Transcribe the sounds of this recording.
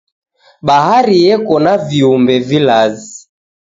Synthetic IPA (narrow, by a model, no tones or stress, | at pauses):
ɓahaɾijɛkɔnaviumbɛvilazi